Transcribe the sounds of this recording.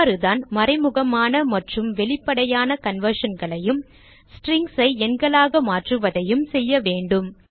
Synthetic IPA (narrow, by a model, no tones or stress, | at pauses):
ɾɯðaːnmɐɾɐɪmʊɣɐmaːnɐmɐʈrɯmʋɛɭɪpːɐɽɐjaːnɐkɐnʋɐɾʂɐnɡɐɭɐjɯm | sʈɾɪŋɡsɐɪɛnɡɐɭaːɣɐmaːʈrɯʋɐðɐjɯmsɛjːɐʋeːɳɖɯm